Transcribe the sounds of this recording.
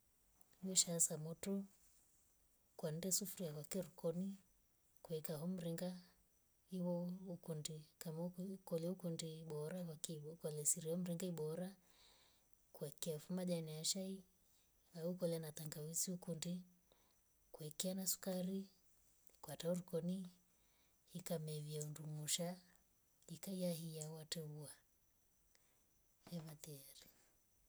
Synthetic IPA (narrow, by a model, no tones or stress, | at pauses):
hiɔʃasamɔtɔ | kwan̩dɛsufuɾiakwakɛɾukɔni | kwɛkaɦɔm̩ɾiŋɡa | iwɔukundikamaukɔlɛukundiɓɔɾaakkalɛsiɾiɔm̩ɾiŋɡaiɓɔɾa | kuakɛafumaʄaniaʃai | aukɔlɛanat̪aŋɡawisiukundi | kuɛkɛanasu̥kaɾi | kwatauɾukɔni | ikamɛviaundumuʃa | ikaijaɦijawatɛβua | ɛβat̪ɛɾi